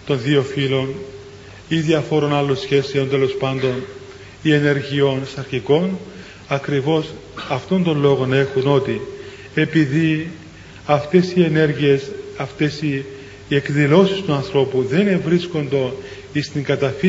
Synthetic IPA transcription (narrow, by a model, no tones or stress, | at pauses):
t̪o̞nðio̞filo̞n | iðiɐfo̞ɾo̞nɐlːo̞nsçe̞seo̞nt̪e̞lo̞spɐnd̪o̞n | ie̞ne̞ɾʝio̞nsɐɾçiko̞n | ɐkɾivo̞s | ɐft̪o̞nd̪o̞nlo̞ɣo̞ne̞xuno̞t̪i | e̞piði | ɐft̪e̞sie̞ne̞ɾʝiesɐft̪e̞si | ekðilo̞sist̪uɐnθɾo̞puðe̞nevɾisko̞nd̪o̞ | ist̪iŋɡɐt̪ɐfi